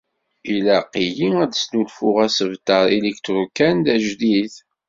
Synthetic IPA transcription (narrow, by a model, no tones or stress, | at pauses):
ilæqijiæd̪snulfʊʁæsəvt̪əɾˤelikt̪ɾukænd̪æʒðiθ